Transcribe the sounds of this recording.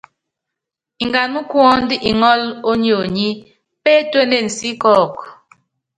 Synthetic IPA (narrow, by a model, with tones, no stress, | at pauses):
i˨ŋɡa˨nmu˦kwɔ˦ndi˦ʔi˨ŋɔ˦lo˦ɲ˦o˨ɲi˦ | pe˦twe˦ne˦˨n̩˨si˦kɔː˦˨k